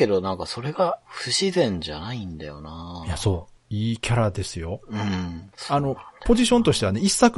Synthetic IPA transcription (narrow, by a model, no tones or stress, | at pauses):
ke̞d̪o̞nãŋkaso̞ɾe̞ɡaɸɯ̟ɕizẽ̞ɲd͡ʑanaĩnd̪ajo̞̰naːjaso̞ː | iːkʲaɾad̪e̞sɨjo̞ɯ̟̃ɴano̞po̞ʑiɕõnt̪o̞ɕi̥t̪eaneisːak